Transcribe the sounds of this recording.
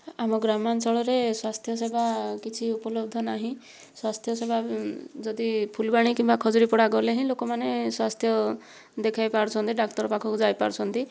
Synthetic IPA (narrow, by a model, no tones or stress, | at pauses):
amɔɡɾamant͡ʃɔɭɔɾeswast̪ʰjɔsebʱakit͡ʃʰiupɔlɔb̚d̪ʱɔnaɦĩ | swast̪ʰjɔsebʱad͡ʒɔd̪ipʰulbaɽ̃ikimbakʰɔd͡ʒɔɾipɔɽaɡɔleɦĩlokɔmaneswast̪ʰjɔ | d̪ekʰajpaɾt͡ʃʰɔnt̪iɖak̚ʈɔɾɔpakʰɔkud͡ʒajpaɾt͡ʃʰɔnt̪i